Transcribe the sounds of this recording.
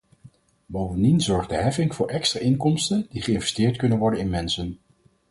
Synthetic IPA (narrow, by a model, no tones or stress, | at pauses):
bowvəndinzɔɹχdəɦɛfɪŋvʊːɹʔɛkstraːʔɪŋkɔmstəndiχəɪnvɛstɪːɹtkɵnənʋɔɹdənɪnmɛnsən